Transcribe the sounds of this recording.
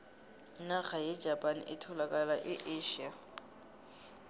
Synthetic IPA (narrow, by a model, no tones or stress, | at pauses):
naɣajɛ̥d͡ʒʱapʼanʔɪtʰɔlakʼalaʔɪʔeʃia